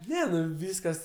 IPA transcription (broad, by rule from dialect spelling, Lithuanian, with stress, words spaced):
ˈnʲɛ ˈnʊ ˈʋʲiːskɐs